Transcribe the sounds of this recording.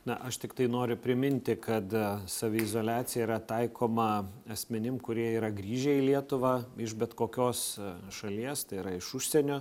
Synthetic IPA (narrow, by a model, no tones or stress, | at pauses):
nɐʔɐʃt̪ʲɪkt̪ɐɪnoːɾʲʊpʲɾʲɪmʲɪnʲt̪ʲɪkɐt̪sɐːʋʲɪɪzoːlʲæːt̪t͡s̪ʲɪjɛiːɾɐt̪ɐɪkʰoːmɐɐsʲmʲɪnʲɪmkʊɾʲiɛiːɾɐɡɾʲiːʒʲɛilʲiɛt̪ʊʋɑɪʃbʲɛt̪koːkʲoːsʃɐlʲiɛst̪ɐɪiːɾɐɪʃʊʃʲsʲɛnʲoː